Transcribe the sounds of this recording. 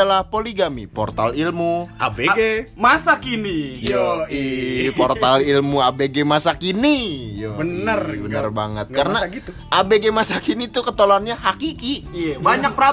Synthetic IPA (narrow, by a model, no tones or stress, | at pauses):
alahpoliɡamipɔrt̪alilmuabeɡemasakinijoiport̪alilmuabeɡemasakinijobənərbənnərbaŋət̪̚kaɾənaɡit̪u | ʔabeɡemasakinit̪ukət̪oloanɲaɦakikiabaɲak̚pəɾa